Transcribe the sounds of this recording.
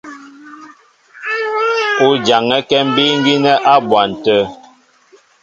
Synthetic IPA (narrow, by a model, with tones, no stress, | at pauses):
o˦d͡ʒa˨ŋɛ˦kɛ˦m̩˦bi˦ŋ˦ɡi˦nɛ˦ʔa˦bwa˨n̩˨tə˦